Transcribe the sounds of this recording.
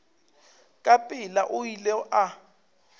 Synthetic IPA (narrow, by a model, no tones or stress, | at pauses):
kʼapʼɪlaʔʊjilɛʔa